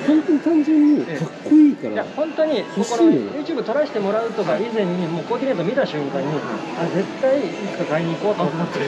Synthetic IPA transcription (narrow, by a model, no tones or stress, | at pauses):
hõnt̪oɲit̪ãɲ̟d͡ʑɨ̃ɲ̟ːieɡakːoiːka̰ɾajahõ̞nt̪o̞ɲ̟imokonojɯ̟ːt͡ɕɨːbɯ̟t̪o̞ɾaɕi̥t̪e̞mo̞ɾaɯ̟t̪o̞ɡaizẽ̞ɲ̟ːimoːko̞ːkʲinet̪omʲit̪aɕɨ̃ŋkãɲ̟ːi | ad͡ze̞t̪ːaiikakaiɲ̟iːko̞ːt̪omot̪ːe